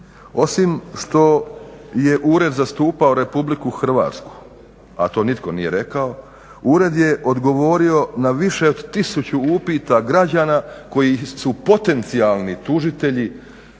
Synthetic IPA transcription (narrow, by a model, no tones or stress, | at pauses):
o̞simʃt̪o̞je̞ʔuːɾe̞d̪zast̪uːpaoɾe̞publikuxr̩ʋa̰ːt̪sku̥ | a̰t̪o̞ːnit̪ko̞nije̞ɾe̞kao̞ | uɾe̞d̪je̞ʔo̞d̪ɡo̞ʋo̞ɾio̞naʋiʃe̞od̪t̪isut͡ɕuupiːt̪aɡɾad͡ʑaːnako̞jisupo̞t̪e̞nt̪sialˠnit̪uʒit̪e̞ʎi